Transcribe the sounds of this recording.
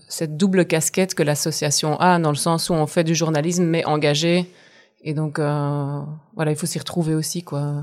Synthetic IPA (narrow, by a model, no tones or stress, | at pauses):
sɛt̪̚d̪ubləkaskʲɛt̪kəlasɔsjasjɔ̃ʔad̪ɑ̃ləsɑ̃suɔ̃fɛd̪yʒuʁnalis̬mːɛʔɑ̃ɡaʒe | ed̪ɔ̃kø | vwalailfosiʁət̪χuveosikwaø